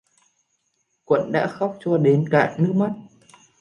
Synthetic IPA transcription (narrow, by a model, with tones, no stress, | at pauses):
kwə̰˧˨nɗa̰ː˧˥xa˦˥wk͡p̚t͡ɕɔ˧ɗe˨˦nka̰ː˧˩ʔnɨ˦˥ək̚ma˦˥t̚